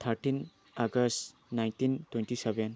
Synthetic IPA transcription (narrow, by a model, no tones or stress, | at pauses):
t̪ʰɐɾtin | aɡɐst | najntintwentiseben